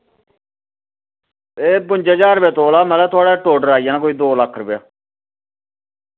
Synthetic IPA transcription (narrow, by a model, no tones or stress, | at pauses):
eːbʊɲd͡ʒeːd͡ʒaːɾbjaːt̪oːlaːmɛːlɛːt̪ʰʊaːɽaːʈoːɖəɾaːijãːnãːkoːiːd̪oːləkʰːɾəbjaː